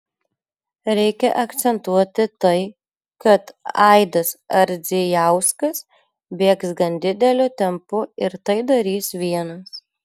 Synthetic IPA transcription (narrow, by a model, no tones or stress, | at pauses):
ɾʲɛɪkʲɛʔɐkt̪sʲɛnt̪uɔt̪ʲɪt̪ɐɪ | kɐt̪ɐɪd̪ɐsɐɾʲd̪zʲɪjæˑʊskɐs | bʲeːksɡɐnd̪ʲɪd̪ʲɛlʲʊt̪ʲɛmpʊɪɾt̪ɐɪd̪ɐɾʲiːsʋʲiɛnɐs